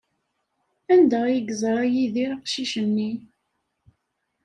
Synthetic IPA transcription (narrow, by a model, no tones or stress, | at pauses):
ænd̪æjəɡəzˤɾˤæjiðiɾɑqʃiʃəmni